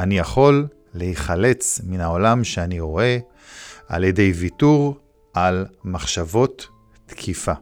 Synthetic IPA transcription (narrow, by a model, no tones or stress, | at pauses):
anijaχo̞lː | ehiχale̞t͡sminao̞lamʃeaniʁo̞e̞ | a̰ljede̞jvituʁ | ʔalmaχʃavo̞tː | kʰifa